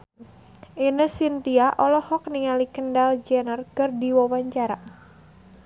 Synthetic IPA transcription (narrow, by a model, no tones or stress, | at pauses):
ʔinəsint̪iaʔɔlɔhɔk̚niŋalikəndald͡ʒɛnərkərdiwawaɲt͡ʃaɾa